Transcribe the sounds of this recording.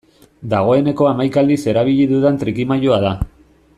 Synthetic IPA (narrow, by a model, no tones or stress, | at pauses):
d̪aɣ̞o̞e̞ne̞ko̞amajkald̪ise̞ɾaβ̞iʎiðuðent̪ɾikimajoaða